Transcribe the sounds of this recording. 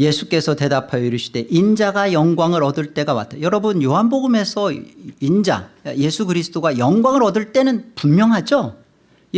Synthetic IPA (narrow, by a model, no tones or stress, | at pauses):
je̞sʰuk͈e̞sʰʌte̞dapʰajiɾɯɕʰi̥d̥e̞ʔind͡ʑaɡajʌŋɡwaŋɯɾʌdɯɭt͈e̞ɡawa̰tʰejʌɾʌbɯnjoɦanboɡɯme̞sʰʌind͡ʑa̰je̞sʰuɡɯɾisʰɯ̥t͈oɡajʌŋɡwaŋɯɾʌdɯɭt͈e̞nɯnpummjʌŋɦad͡ʑo